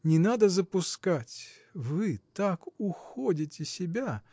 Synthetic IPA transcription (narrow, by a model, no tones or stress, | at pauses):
nʲɪnad̪əzəpʊskatʲ | vɨt̪akʊxodʲɪtʲɪsʲɪbʲa